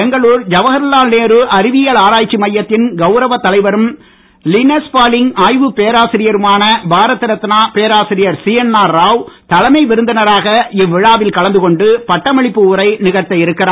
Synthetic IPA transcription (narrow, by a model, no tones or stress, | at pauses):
ɛŋɡɐɭuːɾd͡ʒɐʋɐɣɐɾlaːlneːɾɯʔɐɾɪʋɪjɐlaːɾaːt͡ʃːimɐjːɐt̪ːɪnɡɐʊɾɐʋɐt̪ːɐlɐɪʋɐɾɯm | lɪnɐspaːlɪŋaːjʋɯpeːɾaːsɪɾɪjɐɾɯmaːnɐbʱaːɾɐt̪ːɪɾɐt̪ːɪnaːpeːɾaːsɪɾɪjɐɾsiːjɐnːaːɾːaːʋt̪ɐlɐmɐɪʋɪɾɯnd̪ɐnɐɾaːɣɐɪʋːɪɻaːʋɪlkɐɭɐnd̪ɯkɔɳɖɯpɐʈːɐmɐɭɪpːɯʊɾɐɪnɪɣɐɾt̪ːɐjɪɾɯkːɪraː